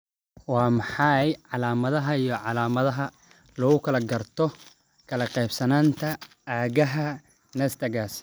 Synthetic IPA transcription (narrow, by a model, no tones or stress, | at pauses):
wɑːmɑħɑjʕɑlaːmɐðɐɦɐijɞʕɑlaːmɐðɐɦɐ | lɔɣʊkʰɐlɐɡɐrt̪ʰɔ | kʰɐlɐqɛjbsɐnaːnt̪ʰɐ | aːɣɐɦɐ | nɛst̪ʰɐɡaːs